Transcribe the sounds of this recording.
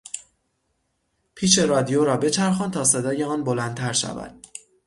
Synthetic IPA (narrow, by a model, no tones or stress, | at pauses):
pʰiːʃe̞ɾɒːd̪ijoɾɒːbe̞t͡ʃʰæɾxɒːnt̪ʰɒːse̞d̪ɒːjeɒːnbo̞lænd̪t̪ʰæɾʃæ̰væ̰d̪̥̚